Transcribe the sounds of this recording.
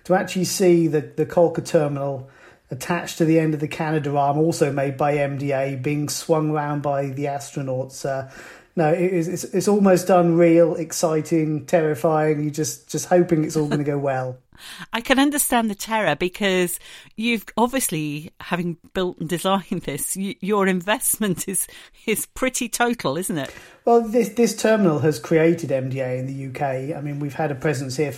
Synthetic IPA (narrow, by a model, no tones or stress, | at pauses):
tʰəak̚t͡ʃʉl̩ˠisiːðɨðɨkʰʌlˠkətʰɜːmənl̩ˠ | ətʰat͡ʃtʰɨðiɛ̃ndəvðɨkʰænɨdəɹɑɹmɔˑlˠsoʊmeɪd̚baɪɛ̃mdieɪbiɪ̃ŋswʌ̃ŋəɹãʊ̃nbaɪðiastɹ̥ənɔˑtsʌ | noʊɪɪtɪtsɪtsɔlˠməʊsdʌ̃nɹilˠɪksaɪtʰɪ̃ŋtʰɛɹɪfaɪɪ̃ŋjəd͡ʒʌsd̥ʒ̥ʌst̚hoʊpɪ̃ŋɨtsɔlˠɡʌnəɡoʊwɛlˠ | aɪkʰɨ̃nʌ̃ndəstæ̃nðətʰɛɹəbɨkʰʌz̥jʉvɒbviəslihavɪ̃ŋb̥ɪlˠtn̩dɪzãɪ̃nðɪsjɨjəɹɪ̃ɱvɛsmə̃ntʰɪz̥ | ɪz̥pʰɹ̥ɪtitʰoʊtʰˡl̩ˠɪzn̩tɪ̰twɛlˠðɪsðɪstʰɜːmənl̩ˠəz̥kʰɹ̥ieɪtʰɪdɛ̃mdieɪɪ̃nðɨjʉkʰeɪaɪmĩnwiv̥əɾəpʰɹ̥ɛzə̃nshiə